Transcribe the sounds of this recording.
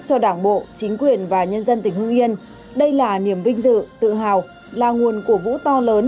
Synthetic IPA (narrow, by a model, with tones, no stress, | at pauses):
t͡ɕɔ˧ɗaː˧˩ŋɓo̰˧˨t͡ɕï˨˦ŋ̟kwi˨˩ənvaː˨˩ɲə˧nzə˧nt̪ï˧˩ŋ̟ɦɨ˧ŋʔi˧ən | ɗə˧jlaː˨˩ni˧˩əmvï˧ŋ̟zɨ̰˧˨t̪ɨ̰˧˨ɦaː˨˩w | laː˨˩ŋu˨˩ənku˧˩əvṵ˧˥t̪ɔ˧ləː˨˦n